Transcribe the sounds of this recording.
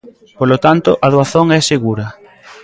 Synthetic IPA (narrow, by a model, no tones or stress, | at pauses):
polot̪ant̪ʊʔaðoaθoŋɛseɣuɾɐ